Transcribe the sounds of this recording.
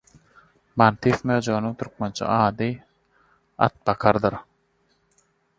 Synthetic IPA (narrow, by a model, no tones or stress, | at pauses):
mant̪ifmøːd͡ʒonuŋt̪ʰyɾk̚ment͡ʃʰɑ̰ɑːd̪ɯ | a̰t̪̚bɑkʰɑɾd̪ɯɾ